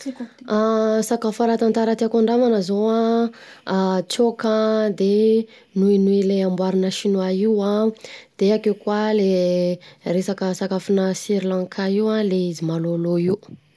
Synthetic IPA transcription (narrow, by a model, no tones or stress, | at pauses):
asakafaɾat̪ant̪aɾat̪iakaɳɖ͡ʐamanəzowã | t͡sokad̪e | nuinuileambwaɾinəʃinwaiwãd̪̥eakeukwale | resakəsakafunəsiɾilãŋkʰaiwãleizimaloloiwu